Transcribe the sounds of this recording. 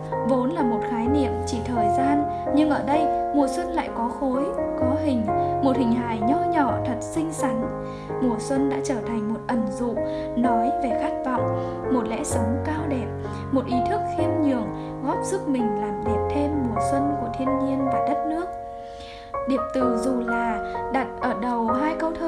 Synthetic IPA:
vo˨˦nlaː˨˩mo˨˩t̚xaː˨˦jnḭ˧˨əmt͡ɕi˧˩t̪ʰəː˨˩jzaː˧n | ɲɨ˧ŋʔəː˧˩ɗə˧jmu˨˩əswə˧nla̰ː˧˨jkɔ˨˦xo˨˦jkɔ˨˦ɦï˨˩ŋ̟mo˨˩t̚hï˨˩ŋ̟ɦa̰ː˧˨jɲɔ˧ɲɔ˧˩t̪ʰə˨˩t̚sï˧ŋ̟sa˨˦ŋ | mu˨˩əswə˧nɗa̰ː˧˥t͡ɕəː˧˩t̪ʰa˨˩jŋ̟mo˨˩t̚ʔə˨˩nzṵ˧˨ | nɔ˨˦jve˨˩xa˦˥k̚vɔ̰˧˨wŋ͡m | mo˨˩t̚lɛ̰˧˥sə˨˦ŋ͡mkaː˧wɗɛ˨˩p̚ | mo˨˩t̚ʔi˨˦t̪ʰɨ˦˥k̚xi˧əmɲɨ˨˩əŋ | ɣɔ˦˥p̚zɨ˦˥k̚mï˨˩ŋ̟laː˨˩mɗi˨˩əp̚t̪ʰe˧mːu˨˩əswə˧nku˧˩ət̪ʰi˧ənɲi˧ənvaː˨˩ɗə˦˥t̚nɨ˦˥ək̚ | ɗi˨˩əp̚t̪ɨ˨˩zu˨˩laː˨˩ɗa˨˩t̚ʔəː˧˩ɗə˨˩wɦaː˧jkə˧wt̪ʰəː˧

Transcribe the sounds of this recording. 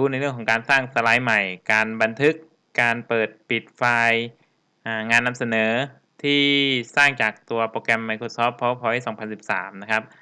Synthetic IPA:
uː˦˥na˧jlɯ˥˩əŋkʰːkaː˧nsaː˥˩ŋsa˧la˨˧˥jma˨˩jkaː˧nba˧nt̪ʰɯ˦˥kː | aː˧npɤː˨˩t̪̚pi˨˩t̪̚faː˧j | ʔaː˧˩ŋaː˧nːa˧msa˧nɤː˩˦ | t̪ʰiː˥˩saː˥˩ŋt͡ɕaː˨˩k̚t̪u˧ɐpoː˧kɛ˧mːa˧˩jkʰoː˧˥sɔː˦˥pʰːɔ˦˥p̚ʰːɔ˧˥˩sɔː˩˦ŋpʰa˧nsi˨˩p̚sa̰ː˩˦mna˦˥kʰa˦˥p̚

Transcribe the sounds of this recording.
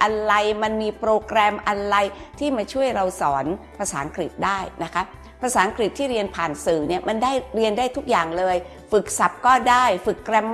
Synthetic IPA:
ʔa˧ɾa˧jma˧nmiː˧pɾoː˧kɾɛː˧mʔa˧nɾa˧jt̪ʰiː˥˩maː˧t͡ɕʰu˥˩əjɾa˧wsɔː˩˦npʰaː˧saː˩˦ŋkɾi˨˩t̪̚daː˥˩jna˦˥kʰa˦˥ | pʰɾaː˧saː˨˩˦a˦ŋkɾi˨˩t̪ʰːiː˥˩ɾi˧ənpʰaː˨˩nsɯː˨˩˦ni˥˩ɐma˧ndaː˥˩jɾi˧əndaː˥˩jt̪ʰu˦˥k̚jaː˨˩ŋlɤː˧j | fɯ˨˩k̚sa˨˩p̚kɔː˥˩daː˥˩jfɯ˨˩kːɾɛ˧m

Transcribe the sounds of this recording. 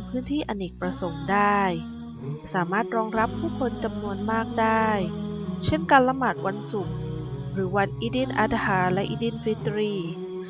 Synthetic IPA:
pʰɯː˦˥nt̪ʰiː˥˩ʔa˧ni˨˩k̚pɾa˧so˨˩˦mdaː˥˩j | saː˩˦maː˥˩t̪̚ɾɔː˧ŋɾa˦˥pʰːuː˥˩kʰo˧nt͡ɕa˧mnu˧ənmaː˥˩k̚daː˥˩jt͡ɕʰe˥˩nkaː˧nla˧˥maː˨˩t̪̚wʔa˧nsu˨˩k̚ɾɯː˩˦wa˧nʔi˦˥di˦˥˩nʔaː˧t̪haː˩˦lɛ˦˥ʔi˦˥˩di˥˩nfi˦˥t̪ɾiː˥˩

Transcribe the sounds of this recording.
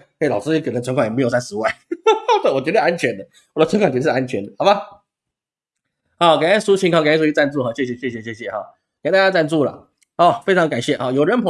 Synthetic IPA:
e˥˩ɪlɑ˨ʊʂɻ̩˥i˥kʰə˨˩nə˧˦nʰt͡sʰə˧˥kʰa˥˩jm˧˥jsa˥nʂɻ̩˧˦wa˥˩ɪt̪e˥˩wɔ˨˩t͡ɕɥd̪əʂa˥nt͡ɕʰɥɛ˧˦nd̪ə˧˩ | wɔ˨˩d̪ə˦t͡sʰə˧˥ŋkʰwa˨ŋt͡ɕə˧ʂ̩˥˧a˥nt͡ɕʰɥɛ˧˦nd̪ə˨˩hɑ˨˩ba˦ | xɑ˧˦ʊka˨˩na˥˩su˥t͡ɕʰi˧˥ŋkʰɑ˥˩ki˥˩u˥t͡ɕi˥t͡sa˥˧nt͡su˥˨˩xɑ˨˩ɕjɛ˥˩ɕ̬jɛ˨˩ɕjɛ˥˩ɕjɛ˨˩ɕjɛ˥˩ɕjɛ˨˩xɑ˨˦ | kt̪a˥t͡ɕja˥t͡sa˥˧nt͡su˥˩lə̰˩ | hɔ˥˩fe˥ɪʈ͡ʂʰɑ˧˥ŋka˨˩nɕjɛ˥˩xɔ˨˩jo˨˩ɻə˧˥npʰ

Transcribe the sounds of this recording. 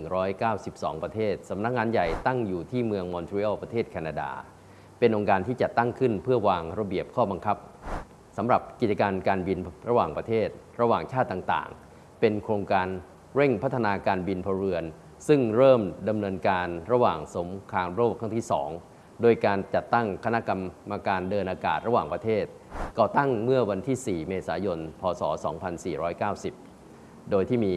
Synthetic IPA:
ŋɾɔː˦˥jkaː˥˩wsi˨˩p̚sɔ̰ː˩˦ŋpɾa˧t̪ʰeː˥˩t̪̚sa˩˦mna˦˥k̚ŋaː˧nja˨˩jt̪a˥˩ŋjuː˨˩t̪ʰiː˥˩mɯ˧əŋmɔ˧nt̪ʰɾi˧˦˥a˥˩wpɾa˧t̪ʰeː˥˩t̪̚kʰaː˧naː˧da̰ː˧ | pe˧nʔo˧ŋkaː˧nt̪ʰiː˥˩t͡ɕa˨˩t̪ːa˥˩ŋkʰɯ˥˩npʰɯ˥˩ɐwaː˧ŋɾa˧bi˨˩əp̚kʰɔː˥˩ba˧ŋkʰa˦˥p̚ | sa˩˦mɾa˨˩p̚ki˨˩t̚t͡ɕːa˧kaː˧nkaː˧nbi˧nɾa˧waː˨˩ŋpɾa˧t̪ʰeː˥˩t̪̚ | ɾa˧waː˨˩ŋt͡ɕʰaː˥˩t̪ːaː˨˩ŋt̪a̰ː˨˩ŋ | pe˧nkʰɾoː˧ŋkaː˧n | ɾe˥˩ŋpʰa˦˥t̪ʰːa˧naː˧kaː˧nbi˧npʰɔː˧ɾɯ˧ən | sɯ˥˩ŋɾɤː˥˩mda˧mnɤː˧nkaː˧nɾa˧waː˨˩ŋso˩˦mkʰaː˧ŋɾoː˥˩p̚kʰa˥˩ŋt̪ʰiː˥˩sɔ̰ː˩˦ŋ | doː˧jkaː˧nt͡ɕa˨˩t̪ːa˥˩ŋkʰa˧na˦˥ʔka˧mːa˧kaː˧ndɤː˧nʔaː˧kaː˨˩t̪̚ɾa˧waː˨˩ŋpɾa˧t̪ʰeː˥˩t̪̚kɔː˨˩t̪a˥˩ŋmɯ˥˩ɐwa˧nt̪ʰiː˥˩siː˨˩meː˧saː˩˦jo˧npʰɔː˧sɔː˩˦sɔ̰ː˩˦ŋpʰa˧nsiː˨˩ɾɔː˦˥jkaː˥˩wsi˨˩p̚ | doː˧jt̪ʰiː˥˩miː˧

